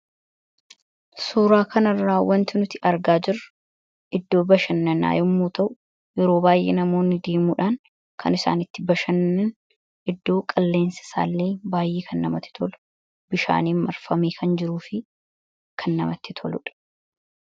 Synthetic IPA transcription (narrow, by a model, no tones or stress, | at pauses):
suːɾaːkʰɐnɐrːaːwɐnt̪ɪnʊt̪ɪʔɐɾɡaːd͡ʒɪrɐ | ʔɪd̪ːo̞ːbɐʃɐnːɐna̰ːjʊmːoːt̪ɐʔʊ | jɛɾo̞ːbaːjʔḛːnɐmo̞ːnːɪd̪eːmuːᶑaːn | kʰɐ̰nɪsa̰ːnɪt̪ːɪbɐʃɐnːɛn | ʔɪd̪ːo̞ːkʼɐlːe̞ːnsɪ̥sa̰ːlːe̞ːbaːjʔeːkʰɐnːɐmɐt̪ːɪ̥t̪ʰɔlʊ | bɪʃa̰ːniːmɐɾfɐmiːkʰɐnd͡ʒɪɾuːfɪ | kʰɐnːɐ̰mɐt̪ːɪt̪ʰɔlʊᶑɐ̥